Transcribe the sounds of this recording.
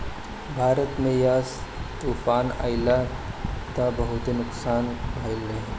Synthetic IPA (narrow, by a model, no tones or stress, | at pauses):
bʱaːɾət̪mẽjaːst̪uːfaːna̰ːɪla | t̪abɐɦʊt̪inʊksaːnbʱaɪlːeɦ